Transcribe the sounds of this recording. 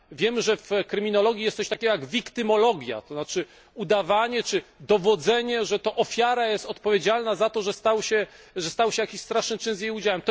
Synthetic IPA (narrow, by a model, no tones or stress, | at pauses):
vʲjɛmʐɛfkɾɘmʲinɔlɔɡʲjijɛst̪sɔɕt̪akʲɛɡɔjaɡvʲjikt̪ɘmɔlɔɡʲja̰t̪ɔznat͡ʂɘ | ud̪avaɲɛt͡ʂɘd̪ɔvɔd̪zɛɲɛʐɛt̪ɔʔɔfʲjaɾajɛst̪ɔt̪pɔvʲjed͡ʑalnazat̪ɔʐɛst̪awɕɛ | ʐɛst̪awɕɛjakʲiɕst̪ɾaʂnɘmt͡ʂɘnzʲjejud͡ʑawɛmt̪